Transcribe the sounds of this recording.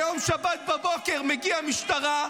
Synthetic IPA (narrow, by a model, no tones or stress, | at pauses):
jomʃabat̪̚babo̞keʁmeɡiamiʃt̪aʁa